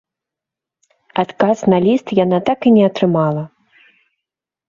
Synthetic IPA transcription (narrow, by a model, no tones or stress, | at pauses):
at̪kasnalʲist̪jan̪at̪akinʲɛɐt̪ɾɨmalˠɐ